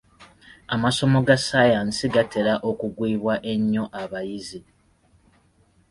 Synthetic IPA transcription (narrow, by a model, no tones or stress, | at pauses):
amaso̞mo̞ɡasajansiɡatʰe̞ɾaʔokuɡwiːβwaʔe̞ɲːo̞ʔaβajizi